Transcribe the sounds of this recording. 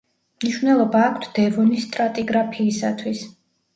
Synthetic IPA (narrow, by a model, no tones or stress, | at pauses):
mniʃvnɛlˠɔbaːkʰt̪ʰd̪̥ɛvɔnist̪ʼɾat̪ʼiɡɾapʰiːsat̪ʰwis